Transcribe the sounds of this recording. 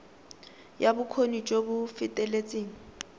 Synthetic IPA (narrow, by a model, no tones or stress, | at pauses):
jabʊkʰonit͡ʃʼobʊfɪtʼɛlet͡sʼeːŋ̩